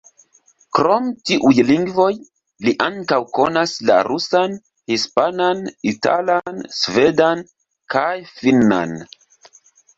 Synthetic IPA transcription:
kɾo̞mtiʔujliŋɡvo̞j | liʔaŋkawko̞nasla̰ɾusan | hispananita̰lansvedan | kʰajfinːa̰n

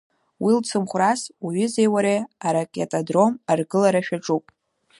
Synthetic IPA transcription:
wilt͡sʰɨmχʷrasaɥʏzejwaɾeaɾakʼetʼadro̞marɡɨlaɾaʃᶣaʈ͡ʂʼupʼ

